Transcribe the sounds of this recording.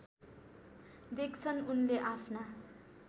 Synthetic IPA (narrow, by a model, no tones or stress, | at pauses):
d̪ek̚t͡sʰʌnunleʔapʰna